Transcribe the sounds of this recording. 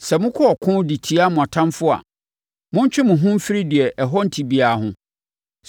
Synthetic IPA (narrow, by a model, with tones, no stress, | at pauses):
sɛ˨mʊ̃˦kʰɔ˦ɔ˨kʰʊ̃˦di˨tʰi˦a˦mʊ̃˨a˨tʰã˦nfʊ˦a̰˨ | mʊ̃˦ɲ̩˦t͡ɕᶣɪ˦mʊ̃˨ɦʊ̃˦m̩˦fi˦ɾi˦di˨ɛ˨ʔɛ˨ɦɔ˦n̩˨tʰi˨bi˨a˨hʊ̃˨